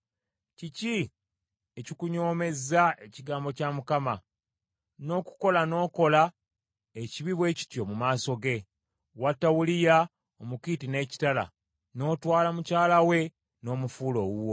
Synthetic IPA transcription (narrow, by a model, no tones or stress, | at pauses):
cici | ecikuɲo̞ːme̞zae̞ciɡaːmbo̞camukama | no̞ːku̥ko̞lano̞ːko̞la | eciβiβwe̞ːci̥tjo̞mumaːso̞ɡe̞ | watːawulija | omukitine̞ːci̥tala̰ | no̞ːtwaːlamucaːlawe̞ | no̞ːmufuːlo̞wuwo